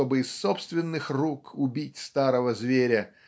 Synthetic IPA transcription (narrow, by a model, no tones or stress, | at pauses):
o̞bɨɪsːo̞pst̪vʲɪnːɨxrukʊbʲitʲst̪aɾəvəzvʲeɾʲə